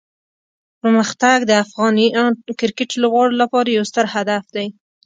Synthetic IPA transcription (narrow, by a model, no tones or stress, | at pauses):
pəɾməxt̪aɡd̪əafɣɑnikɪɾkɪʈləɣɑɽolapɑɾajawst̪əɾhad̪afd̪aj